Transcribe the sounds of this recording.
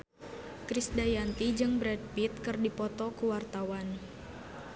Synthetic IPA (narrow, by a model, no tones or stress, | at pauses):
kɾisdajant̪id͡ʒɨŋbɾɛd̚pit̪̚kɨrdipɔt̪ɔkuwart̪awan